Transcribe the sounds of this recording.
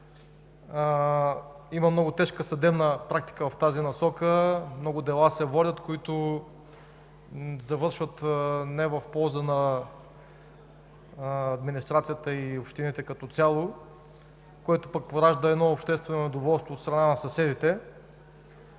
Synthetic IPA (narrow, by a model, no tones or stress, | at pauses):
iməmnɔɡʊt̪ɛʃkəsɐd̪ɛbnəpɾak̚t̪i̥kəvɐft̪azinɐsɔkəmnɔɡʊd̪ɛlˠasɛvɔlʲət̪koit̪ʊ | zɐvɤɾʃvət̪nɛvɐfpɔlˠzənɐ | d̪minist̪ɾat̪sijət̪əiopʃt̪init̪ɛkɐt̪ɔt̪sʲjalˠo | kɔit̪ʊpək̚poɾaʒd̪əɛd̪nɔʊpʃt̪ɛst̪vɛnonɛd̪ovɔlˠst̪voːt̪st̪ɾɐnanɐsɐsɛd̪it̪ɛ